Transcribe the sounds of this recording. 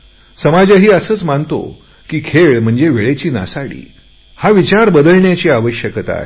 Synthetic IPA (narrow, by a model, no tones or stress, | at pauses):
səmad͡ʑaɦiːəsəːt͡smant̪o̰ | kiːkʰeɭm̤əɳd͡zeʋeɭet͡ɕiːna̰saɽḭː | haʋit͡ɕaɾbəd̪əlɳjat͡ɕiːaʋəɕjəkət̪a̰ɦe